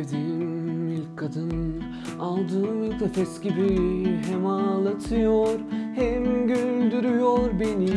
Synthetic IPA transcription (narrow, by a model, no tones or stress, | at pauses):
vd̪inilʲkʰad̪ɯn | alˠd̪ɯmit̪ʰefɛsɟibiɦemalˠat̪ʰɯjoɾhɛmɟynnd̪yɾyjoɾbeni